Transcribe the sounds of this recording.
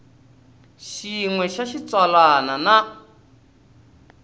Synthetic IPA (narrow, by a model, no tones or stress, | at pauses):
ʃiŋwɛʃaʃit͡swalanana